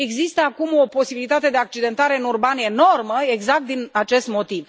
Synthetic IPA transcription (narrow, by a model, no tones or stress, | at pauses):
e̞ɡzist̪əakumo̞po̞sibilit̪at̪e̞d̪e̞ak̚t͡ʃid̪e̞nt̪aɾe̞ɨnurbane̞no̞rməe̞ɡzak̚t̪̚d̪inat͡ʃe̞st̪mo̞t̪iv